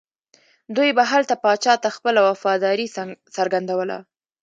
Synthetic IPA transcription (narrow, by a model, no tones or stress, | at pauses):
d̪ujbaɦalt̪apɑt͡ʃɑt̪axpəlawafɑd̪ɑɾisəɾɡand̪awəla̰